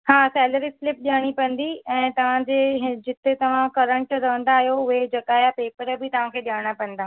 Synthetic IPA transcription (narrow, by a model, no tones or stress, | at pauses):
haːsɛːləɾislɪp̚ɗiaːɽ̃ipɐ̃n̆d̪iɛ̃ːt̪ɐʋ̤ãd͡ʑeːɦd͡ʑɪt̪et̪ɐʋ̤ãkɐɾə̃ɳʈɾɐʋə̃nd̪aːɦijoʊɦed͡ʑɐkaːjapeːpəɾbʱɪt̪ɐʋ̤ãkʰeːɗijaːɽ̃apɐ̃n̆d̪aː